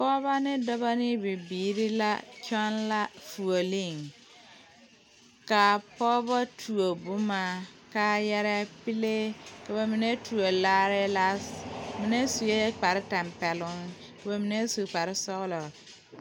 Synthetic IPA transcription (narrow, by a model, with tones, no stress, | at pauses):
pɔː˦βa˦nɪ˦dɔ˦ba˦nɪ˦bi˨biː˨ɾi˦la̰˦t͡ʃɔ˦nla˦fu˨o˨li˦˨ŋ | ka˨pɔː˦ba˦tʰu˨o˨bu˦ma˨ka˦jɛ˦ɾɛ˦pi˦le˦ka˨ba˨mi˨ne˦tʰu˨o˨laː˦ɾɪ˦la˦smi˨ne˦su˨je˦k͡pa˨ɾɪ˦tɛ˨mpɛ˨lʊ˦ŋ | ka˨ba˨mi˨ne˦su˨k͡pa˨ɾɪ˦sɔ˦ɣlɔ˨